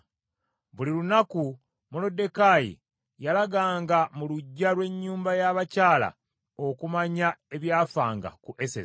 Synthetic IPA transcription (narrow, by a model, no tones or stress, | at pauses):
βulilunaku | molo̞de̞kajḭ | jalaɡaːŋɡamuluɟːalwe̞ɲːuːmbajaβacaːla̰ | okumaɲae̞βjaːfaːŋɡa̰kuʔe̞sḛz